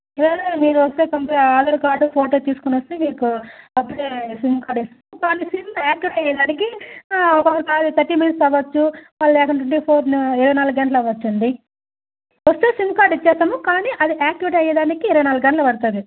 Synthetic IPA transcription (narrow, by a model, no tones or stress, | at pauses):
ɛled̪emiːɾuɐst̪eːkɐmpeaːd̪ɐɾukaːɾɖupʰoːʈoːt̪iːsu̥kunʋɐst̪eːmiːkuɐpːuɽeːsimbkaːɾɖest̪ɐːmukaːniːsimaːkjuʋʈɐjed̪aːnikiɔkɔkːɐɾikaːd̪ut̪ʰɐɾʈiːminst̪ɐʋɐt͡ʃːuʋaːlːlɛːkɐɳʈ̬ɐɳʈiːpʰoːɾiɾɐʋɐjnaːlɐɡɡɐɳʈ̬lɐʋːɐt͡ʃːɐɳɖ̪i | ʋɐst̪eːsimkaːɾɖit͡ʃːɛːsɐmukaːniʔɐd̪iʔaːkːjuʋiʈɐjɐd̪aːnikiːɾɐʋɐjnaːluɡɐɳʈlɐpɐɽt̪aːd̪i